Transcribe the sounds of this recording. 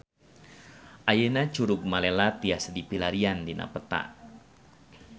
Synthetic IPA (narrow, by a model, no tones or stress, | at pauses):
ʔajenat͡ʃuɾʊk̚malelat̪iasdipilaɾiandinʔa̰pət̪a̰